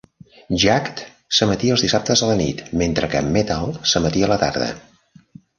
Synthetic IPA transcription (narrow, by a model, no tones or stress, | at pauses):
ʒakt̪ | səmət̪iəlzðisap̚t̪əzðələnḭt̪ment̪ɾəkə̰mːet̪alˠsəmət̪iələt̪a̰ɾðə̰